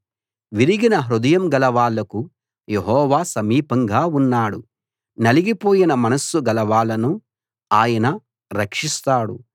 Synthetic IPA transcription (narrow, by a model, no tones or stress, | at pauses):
ʋiɾiɡinɐɦɾud̪ɐjɐmɡɐlɐʋaːlɐku | jeɦɔːʋaːsɐmiːpɐŋɡaːunːaːɽu | nɐliɡipoːjinɐmɐnɐsːuɡɐlɐʋaːlɐnu | aːjɐnɐ | ɾɐkʂist̪aːɽṵ